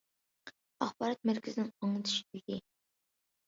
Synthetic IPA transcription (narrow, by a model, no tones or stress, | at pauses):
ɑχbɑːɾɑt̪̚mæɾkʲʰɪzɪnɪŋɑŋɨt̪ʰɨ̥ʃi̥d̪ɪɡʲi